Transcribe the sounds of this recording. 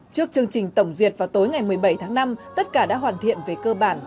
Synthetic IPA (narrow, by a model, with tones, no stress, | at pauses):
t͡ɕɨ˦˥ək̚t͡ɕɨ˧əŋt͡ɕï˨˩ŋ̟t̪ə˧˩wŋ͡mzwi˨˩ət̚vaː˨˩wt̪o˨˦jŋa˨˩jmɨ˨˩əjɓə˧˩jt̪ʰaː˨˦ŋna˧mt̪ə˦˥t̚kaː˧˩ɗa̰ː˧˥ɦwaː˨˩nt̪ʰḭ˧˨ənve˨˩kəː˧ɓaː˧˩n